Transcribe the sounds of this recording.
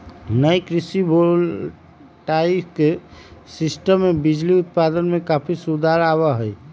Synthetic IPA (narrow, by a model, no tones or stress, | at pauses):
nəjkɾisibʱol | ʈaipʰkesɪsʈəmːebid͡ʒliʊt̪̚pad̪ənmẽkapʰisud̪ʱaɾaβaɦɛj